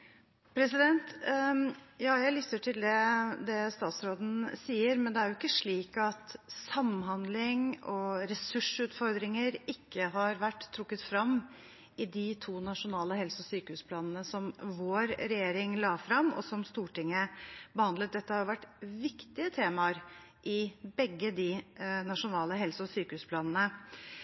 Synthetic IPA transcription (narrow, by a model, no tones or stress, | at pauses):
pʰɾɛsɪd̪ɛnt̪ | jɑːjæɪlʏt̪ːəʈʰɪld̪ɛd̪ɛst̪ɑːt̪sɾoːd̪n̩siːəɾmɛnd̪ɛæɾjʊɪkːəʂɭiːkɑt̪sɑmːɦɑnd̪lɪŋɔɾɛsʉʂʉːt̪fɔɾd̪ɾɪŋəɾɪkʰːəɦɑɾʋæʈːt̪ʰːɾʊkːət̪fɾɑmː | ɪd̪ɪt̪ʰuːnɑʂʊnɑːləhɛlsɔsyːkəhʉːspʰlɑːnən̩əsɔmʋoːɾɾɛjeːɾɪŋlɑːfɾɑmːɔ̰sɔmst̪uːʈɪŋːəbəhɑnd̪lət̪̚d̪ɛt̪ːəhɑɾjʊʋæʈːʋɪkt̪ɪət̪ʰeːmɑɾ | ʔɪbɛɡːəd̪ɪnɑʂʊnɑːləɦɛlsɔsyːkəhʉːspʰlɑːnnə